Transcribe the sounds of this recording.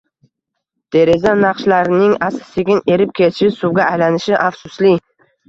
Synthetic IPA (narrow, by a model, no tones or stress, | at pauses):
d̪̥ʰe̞ɾe̞zanaqʃlaɾɪnɪŋasɪ̥seɡʲɪne̞ɾɪp̚kʲʰe̞t̪ʰɪʃɪsʊwɡʲaːjlanɪʃɪʔafsʊslɪ